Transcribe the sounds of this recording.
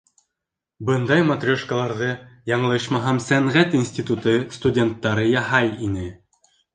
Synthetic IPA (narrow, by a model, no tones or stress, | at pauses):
bɤnd̪ɑjmɐt̪rʲoʃkəlˠɑɾðɤjɑɴɤlˠɤʃmɑɦæmsæɴʁæt̪insʲtʲit̪ut̪ɤst̪udʲe̞nt̪ːɑɾɤjɑɦɑjinɘ